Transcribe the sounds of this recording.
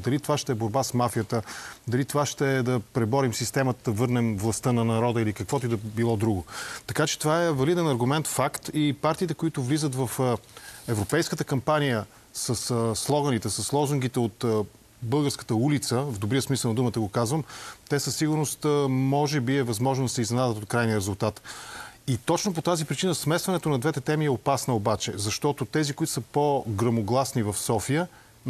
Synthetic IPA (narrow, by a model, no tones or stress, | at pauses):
d̪ɐlit̪ovaʃt̪ɛɛboɾbasmafijət̪əd̪ɐlit̪ovaʃt̪ɛd̪ɐpɾɛbɔɾimsist̪ɛmɐt̪əd̪ɐvɤɾnɛmvlˠɐst̪ənɐnɐɾɔd̪əilikɐkvɔt̪oid̪ɐbilˠɔd̪ɾuɡʊt̪ɐkat͡ʃɛ̥t̪ovaɛvɐlid̪ɛnɐɾɡʊmɛnt̪fakt̪ipaɾt̪iːt̪ɛkoit̪ʊvlizət̪vɐf | ɛvɾopɛjskət̪əkɐmpanʲijə | səssːlˠɔɡənit̪ɛsəsːlˠɔzʊŋɡ̟it̪ɛot̪ | bɤlˠɡəɾskə̥t̪əulit̪səvd̪obɾijəsmisəlˠnɐd̪umət̪əɡokazvəmt̪ɛsəsːiɡʊɾnost̪mɔʒɛbiɛvɐzmɔʒnod̪ɐsɛiznɛnad̪ət̪ot̪̚kɾajnijəɾɛzʊlˠt̪at̪it̪ɔt͡ʃnopot̪azipɾit͡ʃinəsmɛst̪vɐnɛt̪onɐd̪vɛt̪ɛt̪ɛmiɛopasnɐobat͡ʃɛ̰zɐʃt̪ɔt̪ot̪ɛzikoʊit̪ʊ̥səpoɡɾɐmoɡlˠasnivɐfsɔfiə